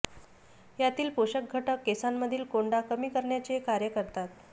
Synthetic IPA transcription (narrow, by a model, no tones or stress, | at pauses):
jat̪iːlpoɕək̚ɡʱəʈəkːesamːəd̪ʱiːlkoɳɖakəmiːkəɾɳjat͡ɕekaɾjəkəɾt̪at̪